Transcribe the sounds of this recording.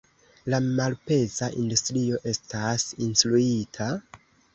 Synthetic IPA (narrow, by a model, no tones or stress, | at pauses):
lamalpe̞zaʔindustɾio̞ʔe̞stasinstluitʰa